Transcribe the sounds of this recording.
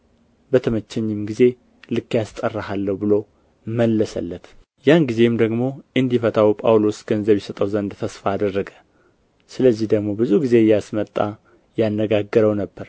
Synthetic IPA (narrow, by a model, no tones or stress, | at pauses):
bət̪ʰəmət͡ʃːɛɲːɪmɡize̞ | lɨkːjast̪ʼərːahalːəwbɨlo | məlːəsə̰lːət̪ | janɡize̞md̪əɡmo̞ʔɨnd̪ifət̪ʰʼawpʼawlo̞sɡ̥ənzəβjɪsət̪ʼəwzənd̪t̪ʰəsfaːd̪ərːəɡə̥ | sɨləzːihd̪əɡmo̞bɨzuɡize̞jasmət̪ʼːa | janːəɡaɡːəɾəwnəbːəɾ